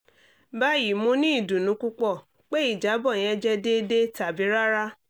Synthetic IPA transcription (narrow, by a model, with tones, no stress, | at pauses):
ba˦˨ji˨mũ˦nĩ˦i˦˨dũ˨nũ˨˦ku˦k͡pɔ˦˨ | k͡pe˦i˦˨d͡ʒa˨˦bɔ˦˨j̃ɛ̃˦d͡ʒɛ˦de˦de˦ta˨bi˨˦ɾa˦ɾa˦